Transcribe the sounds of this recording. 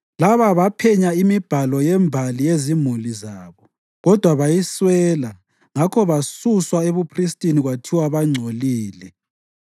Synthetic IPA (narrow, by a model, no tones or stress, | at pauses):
laβaβapʰɛɲaimib̥ʱalɔjɛmbʱalijezimulizaːβɔ | ɣɔd̥ʱwaβajiswɛːla | ŋakʰɔβasuswaeβupʰristʼiniɣwatʰiwaβaŋ͡ǀʱoliːlɛ